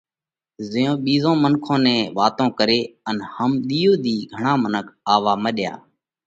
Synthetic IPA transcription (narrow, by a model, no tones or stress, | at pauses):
zɪjõːɓiːzõːmənkʰõːnɛ̃ːʋaːt̪õːkəɾeːənhəmɗ̪iːoːd̪iːɡʱəɳãːmənəkʰaːʋaːməɗja̰ː